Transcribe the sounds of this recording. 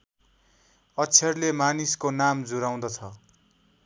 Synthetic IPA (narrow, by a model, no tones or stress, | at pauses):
ʌt͡sʰʌrlemaniskonamd͡zuɾaw̃d̪ʌt͡sʰʌ